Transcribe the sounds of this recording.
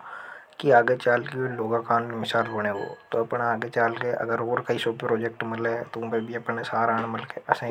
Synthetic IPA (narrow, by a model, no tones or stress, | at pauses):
kiaːɡet͡ʃaːlkeoloːɡakaːnmemɪsaːlboːɽ̃ẽːɡo̰ːt̪oɐpnaaːɡet͡ʃaːlkeʔɐ̰ɡəɾɦoːɾkaisoːppɾoːd͡ʒek̚ʈmɪlet̪õbebʱiɐpnesaːɾaːnməlkeəsẽ